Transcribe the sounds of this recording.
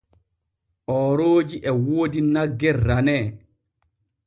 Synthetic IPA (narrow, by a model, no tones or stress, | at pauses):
ʔɔːɾoːd͡ʒiʔɛwoːdinaɡːɛrːanɛː